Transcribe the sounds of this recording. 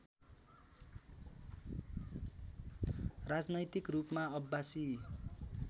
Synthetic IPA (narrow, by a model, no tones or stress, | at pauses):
rad͡znʌjt̪ikrupmaʌbːasi